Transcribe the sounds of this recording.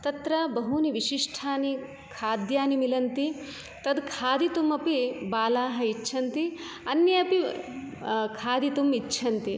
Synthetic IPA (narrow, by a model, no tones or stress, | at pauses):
t̪ɐt̪ɾɐbɐɦuniʋiʃiʂʈʰaːni | kʰaːd̪jaːnimilɐnt̪i | t̪ɐd̪kʰaːd̪it̪umɐpibaːlaːɦɐitːʃʰɐnt̪i | ɐnjɐɐpi | kʰaːd̪it̪umitːt͡ʃʰɐnt̪i